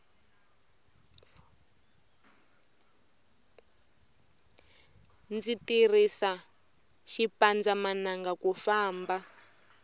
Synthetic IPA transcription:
nd͡zitirisa | ʃipand͡zamanaŋɡakufaːmba

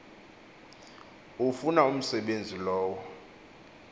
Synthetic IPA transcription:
ufunaum̩sɛɓend͡zʱilɔːwɔ

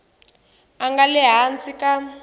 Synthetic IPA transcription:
aŋɡalɛɦant͡sika

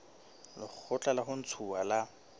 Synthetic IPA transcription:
lɪχk͡xʰʊt͡ɬʼalaɦʊn̩t͡sʰuala

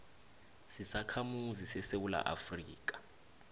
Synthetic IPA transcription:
sisakʰamuzisɛsewula̰ʔa̰friːk̬ʼḁ

